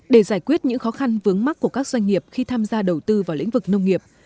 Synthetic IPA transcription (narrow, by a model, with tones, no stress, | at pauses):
ɗe˧˩zaː˧˩jkwi˦˥ət̚ɲɨ̰˧˥ŋxɔ˨˦xa˧nvɨ˨˦əŋma˦˥kːu˧˩əkaː˦˥k̚zwa˧jŋ̟ŋi˨˩əp̚xi˧t̪ʰaː˧mzaː˧ɗə˨˩wt̪ɨ˧vaː˨˩wlḭ˧˥ŋ̟vɨ˨˩k̚nə˧wŋ͡mŋi˨˩əp̚